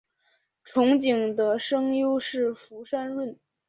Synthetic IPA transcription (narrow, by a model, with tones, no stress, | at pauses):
ʈ͡ʂʰʊ˧˥ŋt͡ɕi˨˩ŋd̪ə˦ʂɤ˥ŋjo˥ʊʂɻ̩˥˩fu˧˥ʂa˥nɻwə˥˩n